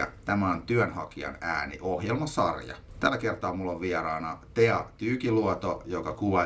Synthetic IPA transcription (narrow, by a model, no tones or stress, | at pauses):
ɑ̰t̪æmæont̪yønhɑ̰kiɑ̰næːnḭʔohjelmɑsɑrjɑ̰t̪ælːækert̪ɑːmulːoʋʋierɑːnɑt̪eɑt̪yːkiluot̪ojokɑkuʋɑ